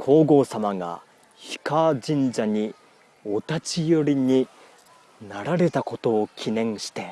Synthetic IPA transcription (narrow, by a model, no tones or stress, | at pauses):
kʰo̞ːɡo̞ːsamaɡa̰ | çi̥kaːd͡ʑĩɲd͡ʑaɲ̟i | o̞t̪at͡ɕijo̞ɾʲiɲ̟i | naɾaɾe̞t̪ako̞t̪o̞ːkʲʰinẽ̞ɰ̃ɕi̥t̪e̞